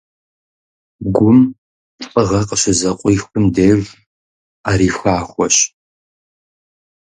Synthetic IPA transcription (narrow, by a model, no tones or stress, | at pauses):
ɡʷʊmʼ | pʼəʁɐqəɕɪzɐqʷʼiːxʷʊmdeːv | aːɾiːxʷaːxʷɔɕ